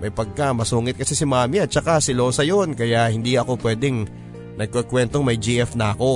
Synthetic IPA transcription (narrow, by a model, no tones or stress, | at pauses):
mɐjpɐɡ̚kamɐsuːŋɪt̪̚kɐsɛsɪmaːmiʔɐt̪̚t͡ʃɐkasɪlosɐjonkɐjahɪnd̪iɐko̞pwɛːd̪ɛŋ | nɐɡ̚kːokwɛnt̪o̞ŋmɐjd͡ʒiʔɛfnɐʔɐko̞